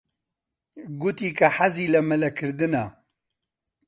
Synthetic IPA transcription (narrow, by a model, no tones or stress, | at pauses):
ɡut̪iːkɐħaziːlɐmɐlɐkʰɨɾd̪ɨnɐ